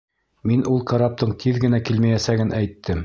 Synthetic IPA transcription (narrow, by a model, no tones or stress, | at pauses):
minʔulˠqɑɾɑp̚t̪ɤɴt̪ʰiðɡɘ̆nækilmæjæsæɡɘnʔæjt̪ʰːɘm